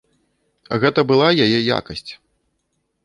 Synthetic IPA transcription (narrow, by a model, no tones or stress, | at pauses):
ɣɛt̪ɐbɨlˠajajɛja̰kɐsʲt͡sʲ